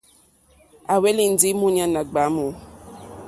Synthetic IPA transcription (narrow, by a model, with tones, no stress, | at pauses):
a˨we˦li˨n̩˨˦di˦mũ˦ɲã˨˦nã˨ɡ͡ba˨˦mõ˨